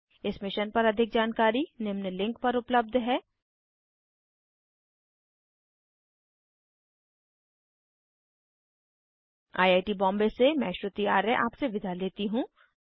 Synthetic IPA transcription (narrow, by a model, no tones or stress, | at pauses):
ɪsmɪʃənpɐɾɐd̪ʱɪk̚d͡ʒaːnkaːɾinɪmnəlɪ̃ŋkpɐɾʊpləb̚d̪ʱɦɛː | a̰ːjaːɪʈibɔ̃ːmbesemɛ̃ːʃɾʊt̪iaːɾəʔa̰ːpseʋɪd̪ʱaleːt̪iɦũː